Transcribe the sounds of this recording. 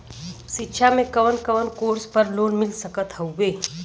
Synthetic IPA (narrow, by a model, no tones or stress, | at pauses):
ʃɪtːʃʰamẽkəʋənkəʋənkoːɾspəɾloːnmɪlsəkət̪ɦəʋeː